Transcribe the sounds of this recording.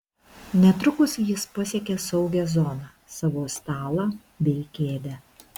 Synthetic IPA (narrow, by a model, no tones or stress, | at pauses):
nʲɛt̪ɾʊkʊsjɪspɐsʲeːkʲesɒʊɡʲɛzɔːnɑː | sɑʋoːst̪ɑːlˠɑ | bʲɛɪkʲeːd̪ʲɛ